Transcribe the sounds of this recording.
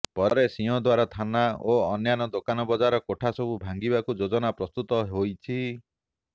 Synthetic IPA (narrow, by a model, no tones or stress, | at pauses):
pɔɾesiɔ̃d̪waɾat̪ʰanaoɔnjanɔd̪okanɔbɔd͡ʒaɾɔkoʈʰasɔbubʱaŋɡibakud͡ʒod͡ʒɔnapɾɔst̪ut̪ɔɦojt͡ʃʰi